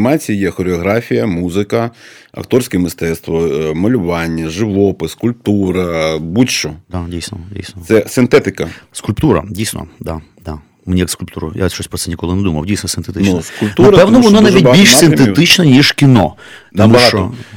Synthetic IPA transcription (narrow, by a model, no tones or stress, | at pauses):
mɑt͡sʲijijɛxɔɾɪɔɦɾɑfʲijɐmuzɪkɐ | ɐ̰kt̪ɔrsʲkɛmɪst̪ɛt̪st̪ʋɔmɐlʲʊʋɑnʲːɐʒɪʋɔpɪskʊlʲp̚t̪uɾɐbuʃt͡ʃɔd̪adʲijsʲnɔdʲḭjsnɔt̪sɛsɪnt̪ɛt̪ɪkɐskʊlʲpt̪uɾɐ̰dʲijsʲnɔ̰d̪a | d̪a | mɪnʲijɐkskʊlʲpt̪uɾʊ̰ja̰ʃt͡ʃɔsʲpɾɔt̪sɛnʲɪkɔlˠɪnɛd̪umɐ̰wdʲijsʲnɔsɪnt̪et̪ɪnt͡ʃ̪uskʊlʲpt̪unɾɐpɛwnɔʋɔnɔnaʋʲid̪̚ʲbʲilʲʃsɪnt̪et̪ɪt͡ʃnɐnʲiʒkʲɪnɔ | t̪ɔmuɐʃɦɑt͡ʃɔ